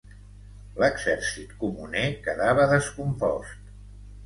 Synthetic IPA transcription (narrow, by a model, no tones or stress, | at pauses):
ləɡzɛɾsit̪kumunekəðaβəðəskumpɔst̪